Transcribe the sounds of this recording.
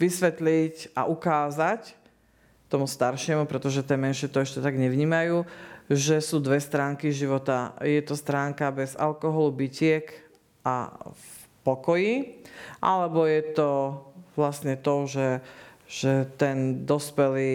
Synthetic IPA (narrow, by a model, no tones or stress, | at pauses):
ʋisʋɛt̪lica̰ʔukaːzac | t̪ɔmust̪aɾʃɪɛmupɾɛt̪ɔʒɛt̪ɪɛmɛnʃɪɛt̪ɔɛʃcɛt̪aɡɲɛʋɲiːmajuːʒɛsuːd̪ʋɛst̪ɾaːŋkiʒiʋɔt̪ajɛt̪ɔst̪ɾaːŋkabɛza̰lkɔɦɔlubicɪɛk | a̰ | pɔkɔjiʔa̰lɛbɔjɛt̪ɔʋlasɲɛt̪ɔʒɛʒ̥ɛt̪ɛnd̪ɔspɛliː